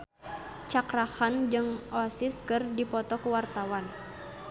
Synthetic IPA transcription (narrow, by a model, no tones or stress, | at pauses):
t͡ʃakɾahand͡ʒɨŋʔɔsɪskɨrdipɔt̪ɔkuwart̪awan